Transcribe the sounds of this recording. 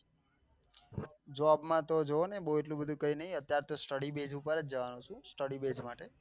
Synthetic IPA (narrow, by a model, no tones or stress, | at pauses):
d͡ʒoɔabmãt̪od͡ʒoonebəɦueʈ̬lũbəd̪ʱũkəinəɦiət̪jaɾt̪osʈəɽibed͡ʒupəɾəd͡ʒəʋanũt͡ʃʰũsʈəɽibed͡ʒmaʈe